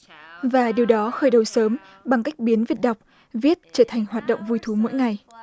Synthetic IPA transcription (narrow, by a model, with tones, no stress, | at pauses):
vaː˨˩ɗi˨əwɗɔ˨˦xəː˧˩jɗə˨˩wsəː˨˦m | ɓa˨˩ŋka˦˥jk̟̚ɓi˨˦nvi˨˩ət̚ɗa˨˩wk͡p̚ | vi˦˥ət̚t͡ɕəː˧˩t̪ʰa˨˩ŋ̟hwaː˨˩t̚ɗə̰˧˨wŋ͡mvu˧jt̪ʰu˨˦mo̰˧˥jŋa˨˩j